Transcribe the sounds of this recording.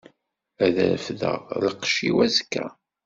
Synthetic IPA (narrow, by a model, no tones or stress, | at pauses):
æðɾfðə̰ʁləqːʃiwæzkːæ̰